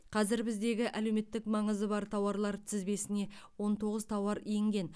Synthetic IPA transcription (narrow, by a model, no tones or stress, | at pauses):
qʰɑzɪɾbɪzd̪e̞ɡʲɪʔæle̞wme̞t̪ːɪkmɑɴəzəbɑɾt̪ʰɑwɑɾlˠɑɾt̪ʰɪzbe̞sɪne̞wo̞nt̪ʰo̞ʁəzt̪ʰɑwɑɾijŋɡʲe̞n